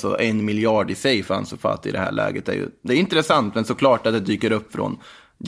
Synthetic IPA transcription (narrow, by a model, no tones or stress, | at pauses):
sɔ̰ʔɛnmɪljɑːɖɪsɛjfa̰nsɔfa̰t̪ːɪd̪ɛhæ̰ːɭɛ̰ːɡət̪æ̰ɾjɵ̰d̪ɛɾɪnt̪ɾɛsant̪mɛnsɔkʰlɑːʈat̪̚d̪ɛd̪yːkəɾɵpːfɾɔ̰n | j